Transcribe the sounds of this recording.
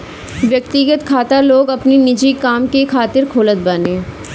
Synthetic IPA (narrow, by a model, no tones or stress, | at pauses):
ʋjɐk̚t̪ɪɡət̪kʰaːt̪aloːɡɐpninɪd͡ʒikaːmkekʰaːt̪ɪɾkʰoːlət̪̚bənẽː